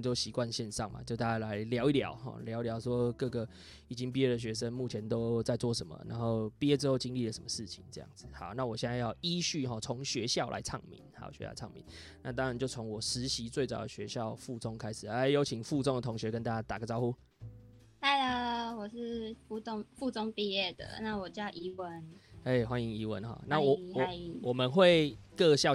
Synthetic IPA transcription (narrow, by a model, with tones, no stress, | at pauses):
t͡ɕjo˥˩ʊɕi˧˥kwa˥˧nɕjɛ˥˧nʂɑ˥˩ŋma̰˨t͡ɕjo˥˧ʊt̪a˥˧t͡ɕa˥˩la˧˦ɪljɑ˧˥ʊi˥˩ljɑ̰˨˦ʊxɔ̰˥˩ljɑ˧˦ʊi˧ljɑ˧˥ʊswɔ˥kɤ˥˩ɡə˩ | i˨˩t͡ɕi˦ŋpi˥jɛ˥də˨ɕ̬ɥɛ˧˥ʂə˦nmu˥˩t͡ɕʰjɛ˧˦nt̪o˥ʊt͡sa˥˧ɪt͡swɔ˥˩ʂə˦nmə̰˨na̰˧˥nxo˥˩ʊpi˥˦ɛ˦˥t͡sɻ̩˥xo˥˧ʊt͡ɕi˦ŋli˥˩lə˩ʂə˨˦mə˧ʂɻ̩˥˩t͡ɕʰi˨˩˦ŋt͡sɤ˥˧jɑ̰˥˩ŋd͡zɹ̩˨˩ha˨˩˦ʊna˥˩wɔ˨˩ɕjɛ˥˧nt͡sa˥˧jɑ˥˧ʊi˦ɕy˥˩ɦɔ˨˩t͡sʰo˧˥ŋɕɥɛ˧˥ɕjɑ˥˩ʊlʔa̰˧˥ɪt͡sʰɑ̰˥˩ŋmḭ˨˧˦nxa̰˨˥˨ɕɛ̰˧˦˥j̰ʰɑ̰˥˩ŋmḭ˧˦nna˥˩t̪ɑ˥˦ŋɻa˧˦nt͡ɕjo˥˩ʊt͡sʰo˧˦ŋwɔ˨˩ʂɻ̩˨˦ɕi˧˥t͡swe˥˩ɪt͡sɑ˨˩ʊə˨ɕɥɛ˧˦ɕjɑ˥˨ʊfu˥˩t͡sʊ˦ŋkʰa˥ɪʂɻ̩˨˩ə˦˩ɪjo˧˥ʊt͡ɕʰi˨˩ŋfu˥˨t͡sʊ˥ŋd̪ə˨t̪ʰʊ˧˥ŋɕɥɛ˧˦kə˦nt̪a˥t͡ɕa˥t̪a˨˩ɡə˩t͡sɑ˥ʊxu˦ | a˥˩ɪə˨wɔ˨˩ʂɻ̩˥˧fu˥˧t̪o˥˧ŋfu˥˧t͡sʊ˥ŋpi˥˧jɛ˥˩d̪ə̰˨˩na˥˨wɔ˨˩t͡ɕja˥˩ʔi˧˥wə˦ne˥˩ɪxwa˦ni˧˦ŋi˧˥wə˧˦nxɔ̰˨˩˦na˥˨wwɔ˨˩˨i˧wɔ˨˩mə˨nxwe˥˧ɪkɤ˥˧ɕjɑ˥˧ʊ